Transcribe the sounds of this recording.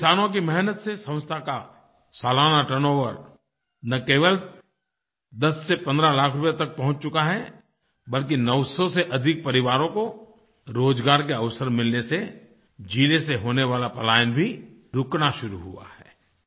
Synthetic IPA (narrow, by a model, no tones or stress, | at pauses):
kɪsaːnõk̬imɛɦnət̪sesɐ̃ʊ̃st̪ʰaka | saːlaːnaʈənõʋəɾ | nɐkeːʋəl | d̪ɐsːepɐ̃nd̪ɾalaːkʰɾʊpet̪ɐk̚pɐɦʊ̃t͡ʃt͡ʃʊkaɦɛ | bɐlk̬inɐʊsoseʔɐd̪ʱɪk̚pɐɾɪʋaːɾõko | ɾoːd͡ʒɡaːɾkeɐʋsəɾmɪlnese | d͡ʒiːleseɦoːneʋaːlapɐlaːjənbʱi | ɾʊknaʃʊɾuɦṵa̰hɛː